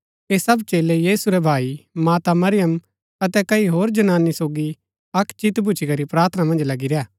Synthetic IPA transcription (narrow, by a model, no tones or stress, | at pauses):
eːsɐbt͡ʃeːlejiːsuɾɛbʱaːimaːt̪amɐɾɪjəm | ɐt̪ɛkɐiɦoːɾd͡ʒɐnaːnːisoːɡi | ɐkʰt͡ʃit̪bʱʊt͡ʃʰikɐɾipɾaːɾt̪ʰnãmɐ̃nd͡ʒlɐɡiɾejaː